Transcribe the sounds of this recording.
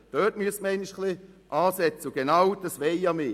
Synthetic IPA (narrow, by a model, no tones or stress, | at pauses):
d̥œt̚myəsməɛɪniʃkliʔɑːsɛt͡səuɡ̥enawd̥ɑsʋɛjɑme